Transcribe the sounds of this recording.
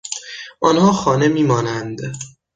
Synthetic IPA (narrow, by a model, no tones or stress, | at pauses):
ʔɒnhɒːxɒːne̞miːmɒːnænd̪